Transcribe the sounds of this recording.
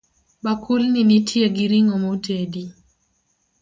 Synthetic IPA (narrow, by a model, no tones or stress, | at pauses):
bakʰulninitʰieɡiɾiŋɔmotedi